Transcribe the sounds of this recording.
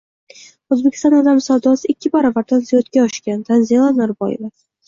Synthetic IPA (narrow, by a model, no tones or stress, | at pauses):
ɵzbekʲɪ̥st̪ɒ̃nɒd̪amsawd̪ɒsɪkʲʰːɪbaɾavaɾt̪ʰanzijot̪kʲaɒʃkʲant̪ʰanzilˠanaɾbɒ̰jɪva